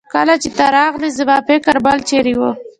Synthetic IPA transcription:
kalat͡ʃɪt̪aɾɑɣlizəbapekaɾbalt͡ʃeɾiwo

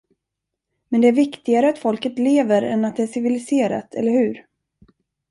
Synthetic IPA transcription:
mɛnd̪ɛæɾvɪkt̪ɪɡaɾəat̪fɔlkət̪leːvəɾɛnːat̪̚d̪ɛæʂɪvɪlɪseːɾa̰t̪ʰɛ̰lːəɾhɵʉ̟ːɾ

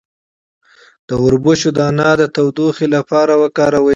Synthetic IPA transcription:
d̪̥əʊɾbʊʃod̪əanɑd̪ət̪awd̪uxelapɑɾawəkɑɾawə

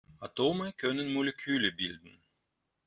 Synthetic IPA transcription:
atoːməkʰœnənmolekʰyːləbɪldn̩

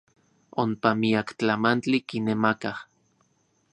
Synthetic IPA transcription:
ompamiakt͡ɬamant͡ɬikinemakah

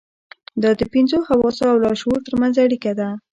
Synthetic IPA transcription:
d̪ɑd̪əpinzohawɑsoawlɑʃoɾt̪əɾmanzaɽikad̪a

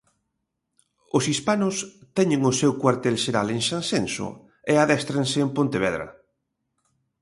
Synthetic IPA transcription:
ʊsispanʊst̪ɛɲẽŋʊsewkwaɾt̪ɛlʃeɾa̰leŋʃansensʊ̰ | eaðɛst̪ɾensɪːmpõnt̪eβɛðɾɐ̰

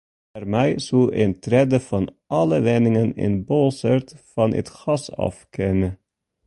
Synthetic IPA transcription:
ɛrmɛjsulɛntrɛdəfɑnʔɑləʋɛnɪŋənɪ̰nbɔlˠsərtfɑnə̰tχɑsɑ̰fkʰɛnə

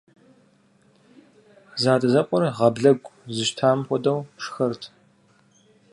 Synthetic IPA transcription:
zaːdʼɐzɐqʷʼɔrʁɐbɮɐɡʷʼzɨʃtʰaːmxʷɔdɐwʂxɐrtʰ

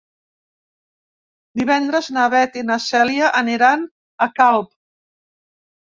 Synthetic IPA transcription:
d̪iβɛnd̪ɾəznaβɛt̪inəsɛljaʔəniɾan | əkalˠp

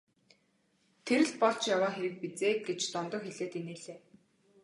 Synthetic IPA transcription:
t̪ʰeɾɘ̆ɮt̪̚pɔɬt͡ɕjawaːxeɾɘ̆k̚pit͡seːk̪̚ɡet͡ɕt̪ɔnt̪ɞ̆kxeɮeːt̪eneːɮeː

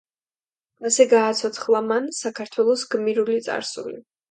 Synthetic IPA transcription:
asɛɡaːt̪sʰɔt̪sʰχlˠamansakʰaɾt̪ʰwɛlˠɔsɡmiɾulit̪sʼa̰ɾsuli

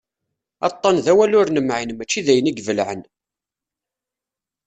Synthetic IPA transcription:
ɑ̰t̪ˤːɑnðæwælʊɾnəmʕinmæt͡ʃːiðæjəniɡvəlʕən

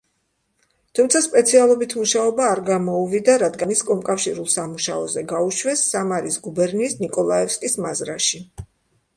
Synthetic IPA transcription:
t̪ʰumt̪sʰaspʼɛt̪sʰialˠɔbit̪ʰmuʃaɔbaːɾɡamɔuvid̪aɾad̪ɡaniskʼɔmkʼafʃiɾulˠsamuʃaɔzɛɡauʃwɛsːamaɾisɡubɛɾniːsnikʼɔlˠaɛfskʼismazɾaʃi

